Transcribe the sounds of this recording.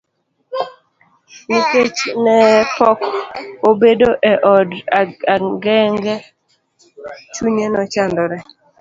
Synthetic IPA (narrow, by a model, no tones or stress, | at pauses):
meket͡ʃnɛpɔkobedoʔɛʔɔdaaɡɛŋɡɛ | t͡ʃuɲenɔt͡ʃandɔɾɛ